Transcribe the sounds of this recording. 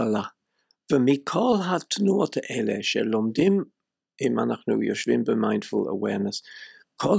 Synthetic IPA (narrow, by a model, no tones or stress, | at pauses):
ala | v̥əmiːkʰɔːlˠɦatʰənuːətʰəʔɛlɛ̰ʃɛ̰lɔmdɪm | ɪma̰naxnṵːjɔ̰ʃvɪmbəmãjnd̥fʊlə̰wɛ̰ːɹnəs | kʰɔl